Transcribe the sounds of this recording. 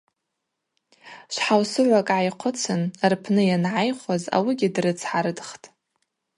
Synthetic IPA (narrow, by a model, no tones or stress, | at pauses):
ʃʷħawsɨʕʷakʼʕajqʷʰʊt͡sʰɨnrpʰnɨjanʕajχʷaza̰wiɡʲɪdrɨt͡sʰħaɾɨdχtʼ